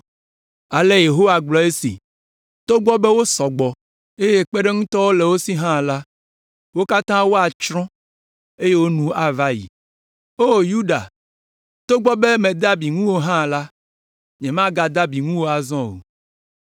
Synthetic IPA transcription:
a˨le˦je˨ɦo˦wa˨ɡ͡blɔ˨e˦sḭ˨ | t̪o˦ɡ͡bɔ˦be˦wo˦sɔ˨ɡ͡bɔ˨ | e˦je˦k͡pe˦ɖe˦ŋũ˦t̪ɔ˦wo˦le˨wo˦si˦ɦã˦˨la˦ | wo˦ka˦t̪ã˦wo˦a˨t͡ʃɾɔ̃˦ | e˦je˦wo˦nũ˦a˨va˦jḭ˨ | o˦ju˦ɖa̰˨ | t̪o˦ɡ͡bɔ˦be˦mẽ˨d̪a˦bi˨ŋũ˦wo˦ɦã˦˨la˦ | ɲɛ̃˨mã˦ɡa˨d̪a˦bi˨ŋũ˦wo˦a˨zɔ̃˦o̰˨

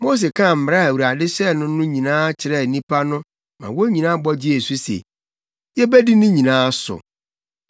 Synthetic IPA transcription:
mo˦s̬e˨kʰã˦˨m̩˨m˨ɾa˦æ˨wu˨ɾa˨dɪ˦ɕɛ˦˨nʊ̃˦nʊ̃˦ɲĩ˨nãː˦t͡ɕʰɪ˨ɾɛ˦˨nĩ˦pʰa˦nʊ̃˦ | mã̰˨wo˦ɲĩ˨nã˦bɔ˦d͡ʑɪ˦ɛ˨su˦sḛ˨ | jɛ˦bɛ˦di˦nʊ̃˦ɲĩ˨nãː˦sʊ̰˨

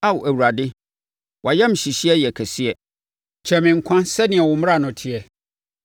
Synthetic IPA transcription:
a˦wʔæ˨wu˨ɾa˨dɪ˦ | wʔa˨jɛ˦m̩˨ɕi˨ɕi˦ɛ˦jɛ˨kʰæ˨si˦ɛ˨ | t͡ɕʰɛ˨mɪ̃˨ŋ̩˨kʷʰã˦nsɛ˦nɪ̃˨ɛ˨wʊ˨m˦a˦˨nʊ̃˨tʰɪ˨ɛ˨

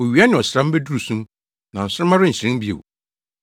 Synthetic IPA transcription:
o˨ɥi˨a˦nɪ̃˨ɔ˨sɪ˨ɾã˦m̩˦be˦du˦ɾu˨sũ˦m | nã˨n̩˨sʊ˦ɾɪ˦mã˦ɾʊ˦n̩˨ɕɪ˨ɾɪ̃˦mbi˦ḛ˨w̰

